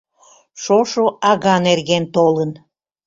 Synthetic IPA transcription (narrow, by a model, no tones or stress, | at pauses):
ʃoʃoʔɑɣɑnerɣent̪olən